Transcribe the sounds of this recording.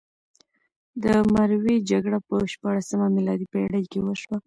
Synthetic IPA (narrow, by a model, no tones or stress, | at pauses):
d̪əmaɾwid͡ʒaɡɽapəʃpɑɽasəmamilɑd̪ipeɽəjkewəʃwa